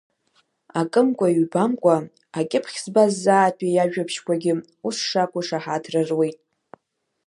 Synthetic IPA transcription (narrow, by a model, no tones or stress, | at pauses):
akʼɨmkʷʼaiɥbamkʷʼa | akʲʼɪpʰχʲzbazːaːtʰʼejaʒᶣapʰʃkʷʰaɡʲɪ | usʂakʷʼʊʂaħatʰrɨrwe̞jtʼ